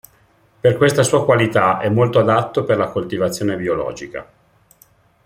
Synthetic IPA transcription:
perkwest̪asuːakwalit̪aʔɛmːolt̪oad̪at̪ːoperlakolt̪ivat̪sːjoːnebiolɔ̰ːd͡ʒika̰

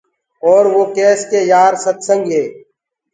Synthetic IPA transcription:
ɔːɾʋoːkɛːskeːjaːɾsət̪sə̃ŋɡɦeː

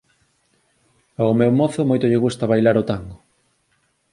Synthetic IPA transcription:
aomewmoθomojt̪oʎeɣust̪aβajlaɾot̪aŋɡo

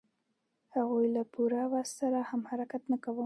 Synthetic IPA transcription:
haɣojlapʰuɾawassaɾahamhaɾakat̪nakawə

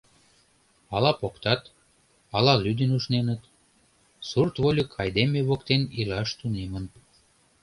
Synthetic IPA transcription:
ɑlɑpokt̪ɑt̪ | ɑlɑlyd̪enuʃnenət̪ | surt̪βolʲəkʰɑjd̪emeβokt̪enilɑʃt̪unemən

